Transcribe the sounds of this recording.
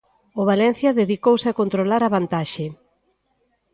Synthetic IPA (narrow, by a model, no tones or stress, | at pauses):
oβ̞alɛn̟θjɐðeðikowsɪakont̪ɾolaɾaβant̪aʃe